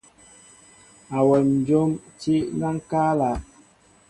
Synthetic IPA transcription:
a˨wɛ˨n̩˨d͡ʒo˦mt͡ʃi˦ʔna˦ŋ˦kaː˦la˨

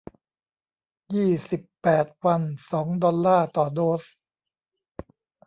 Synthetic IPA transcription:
jiː˥˩si˨˩pːɛː˨˩t̪̚wa˧nsɔː˩˦ŋdɔ˧lːaː˥˩t̪ɔː˨˩doː˦˥s

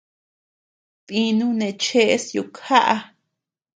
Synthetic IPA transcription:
t̪ĩ˧nũ˦nẽ˧t͡ʃe˦ʔe˦sjo˧˨kʰa˦ʔa˧

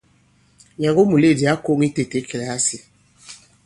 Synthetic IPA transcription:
ɲã˨ɡo˦mu˨le˦˨di˨a˦ko˦˨ŋi˦te˨te˦ke˨lɛ˨a˦si˨

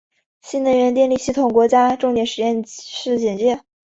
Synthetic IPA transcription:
ɕi˥˩nə˧˥nɥɛ˧˥nt̪jɛ˥˧nli˥˧ɕi˥˩t̪ʰʊ˨˩ŋkwɔ˧˥t͡ɕja˥ʈ͡ʂʊ˥˧ŋt̪jɛ˨˧˥nʂɻ̩˧˩jɛ˥˩nʂɻ̩˥˩t͡ɕɛ˨˩nt͡ɕjɛ˥˩

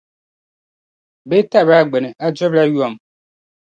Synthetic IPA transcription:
be˦ta˦˨ba˨ɡ͡be˨nɛ˨a˦d͡ʒɔ˦ba˦ju˦ɔ˨m˨

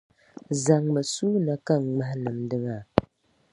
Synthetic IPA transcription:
za˨ŋmɨ˨su˦na˨ka˦˨ŋ˨ŋ͡ma˦hnɨ˨mdɨ˦ŋa˨

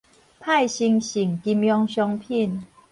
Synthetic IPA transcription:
pʰa˥˨jɕi˧ŋɕi˨˩ŋki˧mjɔ˧˥ŋɕjɔ˧ŋpʰi˥˨n

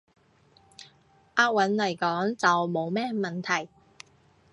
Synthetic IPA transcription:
ʔaː˧k̚wɐ˨˥nlɐ˨˩jkɔː˨˥ŋt͡sɐ˨wmo˨˧wmɛː˥mɐ˨nt̪ʰɐ˨˩j

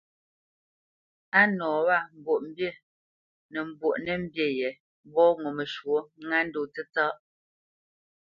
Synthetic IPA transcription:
a˦nɔː˨wa˦˨m̩˨bwo˨ʔm̩˦bje˦ | nɛ˨m̩˨bwo˨ʔnɛ˦m̩˦bje˨jɛ˨ | bɔ˦ŋo˨me˨ʃwo˦ŋa˦n˦do˨t͡se˦t͡sa˦ʔ

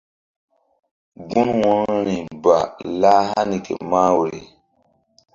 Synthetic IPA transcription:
ɡu˦nwɔ̃˦n˦ni˨ba˨la˦ha˦ni˨kḛ˨ma˦we˨ɾḛ˨

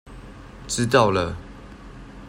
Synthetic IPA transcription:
ʈ͡ʂɻ̩˦t̪ɑ˥˨ʊlə˨

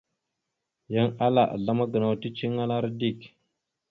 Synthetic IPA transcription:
ja˦ŋa˦la̰˨ʔɮa˦ma˦ɡə˨na˨wti˦t͡ʃi˦ŋa˦la˦ɾdi˦˨k

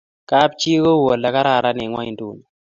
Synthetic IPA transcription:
ka˦p̚t͡ʃi˦ko˦wo˨la˨ka˦ɾa˦˨ɾa˦nɛ˨ŋwa̰˦i˨ndu˦˨n˨

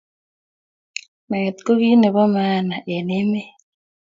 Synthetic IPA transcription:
me˨t̪ko˦ɣi˦ne˨βɔ˦ma˦na˨ʔe˨ne˦me˦

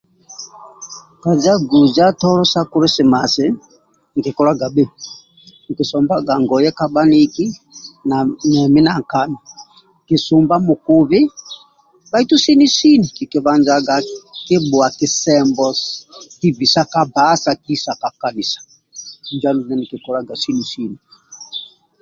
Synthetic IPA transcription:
ka˨d͡ʒa˦ɡu˨d͡ʒa˦tɔ˦lɔ˦sa˦ku˦ɾɛ˦si˨ma˨sɪ˨˦ | ŋ̩˨ki˨kɔ˦la˦ɡa˨bɛ˦ | ŋ̩˨ki˨sɔ˨mba˦ɡa˨ŋɡɔ˨jɛ˦ka˦ba˦ni˦ki˦nanɛ˨mi˦na˨ŋ˨ka˨mi˨ | ki˨su˨mba˦mu˨ku˦βi˦ | ba˦i˦tu˦si˦ni˦si˦ni˨ki˨ki˨βa˨nd͡ʒa˦ɡa˨ki˦bu˨a˨ki˨sɛ˦mbɔ˦ki˦bi˨sa˦ka˨ba˨˦sa˨ki˦sa˨ka˨ka˨ni˨sḁ˨ | nd͡ʒa˦nu˨nɛ˦ni˨ki˨kɔ˦la˦ɡa˨si˦ni˨si˦ni˨

